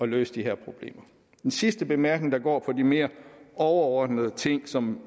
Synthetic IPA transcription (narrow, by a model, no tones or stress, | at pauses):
ɒ̽lø̰ːsəd̥iɦɛɐ̰pʰʁo̝b̥le̝̰ːmɐ | d̥ensisd̥əb̥e̝mæɐɡ̥ne̝ŋd̥ɑ̈ɡ̥ɒ̰ːpʰɒ̽dime̝ːɐɒʊɐɒːd̥nəð̩ˠət͡sʰe̝ŋ̰sɒ̽m